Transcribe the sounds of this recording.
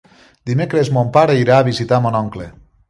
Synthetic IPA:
d̪imekɾezmompaɾeiɾaːβizit̪amonɔŋkle

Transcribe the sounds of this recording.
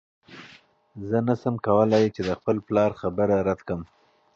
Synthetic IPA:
zənasəmkawəlɑjt͡ʃed̪əxpəlplɑɾxabəɾaɾat̪kəm

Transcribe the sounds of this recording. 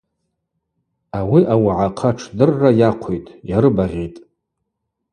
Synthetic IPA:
awiʔawaʕaqʰaʈ͡ʂʰdɨrːajaqʷʰejtʼjaɾɨbaʁʲitʼ

